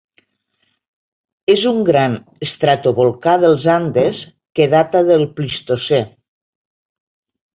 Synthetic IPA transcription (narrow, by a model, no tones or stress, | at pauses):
ezuŋɡɾan | əst̪ɾat̪oβolˠkaðəlˠzand̪es | keðat̪aðəlˠplist̪ose